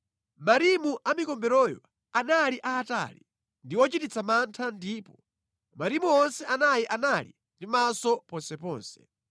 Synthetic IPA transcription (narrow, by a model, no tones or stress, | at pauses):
maɾimuʔamikɔmbɛɾɔjɔ̰ | analiʔaːta̰li | ndiwɔt͡ʃitit͡sʰamantʰandiːpɔ | maɾimuɔnsɛanajiʔanalḭ | ndimasɔpɔnsɛpɔ̰ːnsɛ̥